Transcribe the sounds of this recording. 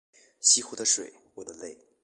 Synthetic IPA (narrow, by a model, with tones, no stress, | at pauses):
ɕi˥xu˥d̪ə˧ʂwḛ˨˩˦ɪwɔ˨˩d̪ə˦le˥˩ɪ